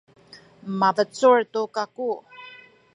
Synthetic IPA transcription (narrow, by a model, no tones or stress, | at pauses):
mavət͡suɹtukaku